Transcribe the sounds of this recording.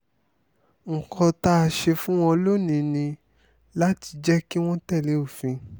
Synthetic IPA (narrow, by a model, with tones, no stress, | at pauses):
ŋ̩˨kʰɔ˧ta˧ʃe˧fũ˦w̃ɔ̃˦lo˦nĩ˧nĩ˧ | la˦ti̥˧d͡ʒɛ˦ki˦w̃ɔ̃˦tɛ˦˨le˨˦o˦˨fĩ˧